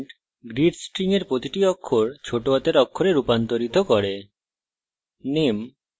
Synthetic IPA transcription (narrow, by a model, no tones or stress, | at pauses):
ʈ | ɡɾiɖsʈɾiŋeɾpɾot̪iʈiɔkʰːoɾt͡ɕʰoʈoɔt̪eɾɔkʰːoɾeɾupant̪oɾit̪okɔɾe | nem